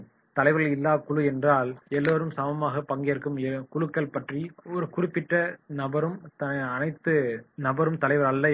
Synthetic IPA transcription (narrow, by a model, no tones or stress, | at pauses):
t̪ɐlɐɪʋɐɾɣɐɭɪlːaːkʊɭɯɛndraːlɛlːoːɾɯmsɐmɐmaːɣɐpɐŋɡejːɾɯkːɯmkʊɭɯkːɐɭpɐʈriɔɾɯkʊrɪpːɪʈrɐnɐbɐɾɯmt̪ɐɐnɐɪt̪ːɯnɐbɐɾɯmt̪ɐlɐɪʋɐɾɐlːɐ